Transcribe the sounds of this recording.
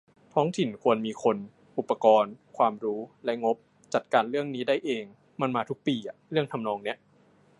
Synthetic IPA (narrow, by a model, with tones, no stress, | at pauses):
t̪ʰɔː˦˥ŋt̪ʰi˨˩nkʰu˧ənmiː˧kʰo˧n | ʔu˨˩pːa˧kɔː˧nkʰwaː˧mɾuː˦˥lɛ˦˥ŋo˦˥p̚ | t͡ɕa˨˩t̪̚kaː˧nɾɯ˥˩əŋniː˦˥da˥˩jʔeː˧ŋ | ma˧nmaː˧t̪ʰu˦˥k̚piː˧ʔa˨˩ɾɯ˥˩əŋt̪ʰa˧mnɔː˧ŋni˦˥ɐʔ